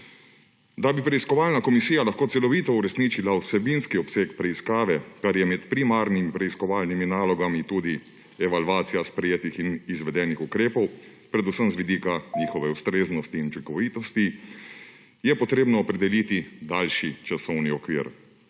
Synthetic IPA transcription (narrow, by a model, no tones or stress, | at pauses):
d̪abipɾɛiskɔʋaːlnakɔmisijalaxkoːt̪sɛlɔʋiːt̪ɔuɾɛsniːt͡ʃilausɛbinskiɔpseːkpɾɛiskaːʋɛkaɾjɛmɛt̪pɾimaɾnimipɾɛiskɔʋaːlniminaːlɔɡamit̪uːd̪i | ɛʋaluaːt̪sijaspɾɛjeːt̪ixinizʋɛd̪ɛːnixukɾeːpɔw | pɾɛd̪usəmzʋid̪iːkaɲiːxɔʋɛust̪ɾeːznɔst̪iːnut͡ʃiŋkɔʋiːt̪ɔst̪i | jɛpɔt̪ɾeːbnɔːpɾɛd̪ɛliːt̪id̪alʃit͡ʃasɔwniɔkʋḭːɾ